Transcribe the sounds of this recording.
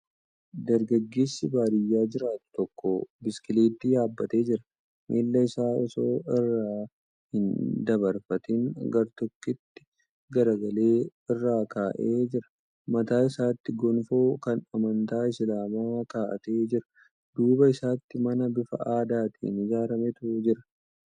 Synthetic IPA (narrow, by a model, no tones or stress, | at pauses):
d̪ɐɾɡɐɡːe̞ːsːɪbaːɾɪjːaːd͡ʒɪɾaːt̪t̪ɔkːobɪskɪliːt̪ːɪjaːbːɐt̪e̞ːd͡ʒɪɾɐ̥ | mʔḛːlːɐɪsaːɔso̞ːɪrːaː | hɪnd̪ɐbɐɾfɐt̪ɪŋɡɐɾt̪ɔkːɪt̪ːɪ̥ | ɡɐɾɐɡɐle̞ːɪrːaːkaːʔeːd͡ʒɪɾɐ̥ | mɐt̪aːɪsaːt̪ːɪɡɔnfo̞ːkɐnɐmɐnt̪aːɪslaːmaːkaːʔɐ̰t̪eːd͡ʒɪɾɐ̥ | d̪̥uːbɐɪsaːt̪ːɪmɐnɐbɪfɐ̰ʔaːd̪aːt̪ʰḭːnɪd͡ʒaːɾɐmɛt̪ʊd͡ʒɪɾɐ̥